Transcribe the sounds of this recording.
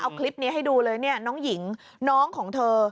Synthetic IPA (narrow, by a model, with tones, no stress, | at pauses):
ʔa˧wkʰli˦˥p̚ni˦˥ɦa˥˩jduː˧lɤː˧jni˥˩ɐnɔː˦˥ŋji˩˦ŋ | nɔː˦˥ŋkʰɔː˩˦ŋt̪ʰɤː˧